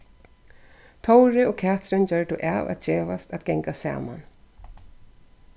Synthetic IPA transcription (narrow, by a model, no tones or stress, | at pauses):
t̪ʰɔwɾɪoːkʰæːt̪ɾɪnd͡ʑœɹɖʊʔaːʋa̰t̪̚d͡ʒeːʋast̪at̪ɡɛŋkasa̰ːma̰n